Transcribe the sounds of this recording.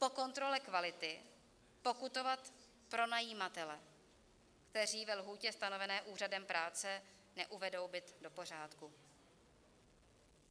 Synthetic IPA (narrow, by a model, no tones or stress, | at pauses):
po̞ko̞nt̪ɾo̞lɛkvalɪt̪ɪ | po̞kut̪o̞vat̪ | pɾo̞najiːmat̪ɛlɛ | kt̪ɛr̝iːvɛlɦuːcɛst̪ano̞vɛnɛːʔuːradɛmpɾʔaːt͡sɛ | nɛʔuvɛdo̞wbɪt̪do̞po̞r̝aːt̪ku